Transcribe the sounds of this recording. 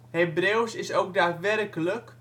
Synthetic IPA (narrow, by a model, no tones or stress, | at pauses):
hebrewsɪsowk̚daːtʋɛrkələk